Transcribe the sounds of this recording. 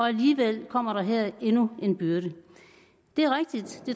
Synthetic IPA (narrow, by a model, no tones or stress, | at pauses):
ɒ̽æliːʋel̰kʰɒ̽m̰ɐɾɑ̈ɦɛɐ̰e̝nue̝nb̥yɐɾ̥ə | d̥e̝æɐʁɛɡ̥̚d̥id̥d̥e̝